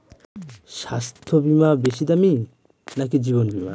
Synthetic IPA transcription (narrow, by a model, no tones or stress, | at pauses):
ʃast̪ʰobimabeʃid̪ami | nak̬id͡ʒiβonbima̰